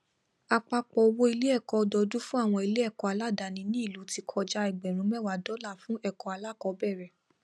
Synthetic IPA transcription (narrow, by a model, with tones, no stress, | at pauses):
a˧k͡pa˧k͡pɔ˧o˧wo˦i˧le˦ɛ˦˨kɔ˧dɔ˧du˦fũ˦a˦˨w̃ɔ̃˧i˧le˦ɛ˦˨kɔ˧a˧la˦da˧˨nĩ˧˦nĩ˦i˦˨lu˨˦ti˧kʰɔ˧d͡ʒa˧ɛ˨ɡ͡bɛ˨ɾ̃ũ˨˦mɛ˦˨wa˨dɔ˨˦la˦˨fũ˦ɛ˦˨kɔ˨˧a˧la˦˨kɔ˧bɛ˦˨ɾɛ˨